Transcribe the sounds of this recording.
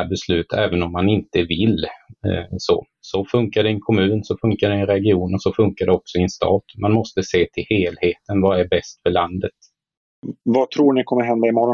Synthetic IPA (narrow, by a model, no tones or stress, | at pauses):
bɛslʉ̟ːt̪ʰɛːvənɔmːanɪnt̪əvɪl | so̰ː | sɔfɵŋkaɖɛɛnkʰɔmʉ̟ːnsɔfɵŋkaɖɛɛnɾɛɡɪuːnɔsɔfɵŋkaɖɛɔksɔɛnst̪ɑ̰ːt̪mʔanmɔst̪əseːt̪ʰɪlheːlheːt̪ənvaæɾbɛst̪fœɭand̪ət̪ | vat̪ʰɾuːɳɪkʰɔmːəɾɦɛnd̪aɪmɔɾɔ